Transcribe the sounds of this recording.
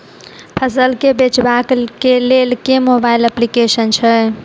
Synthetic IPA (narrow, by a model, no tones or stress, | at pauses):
pʰəsəlkebet͡ʃbakkelelkemobailəplikesənt͡ʃʰə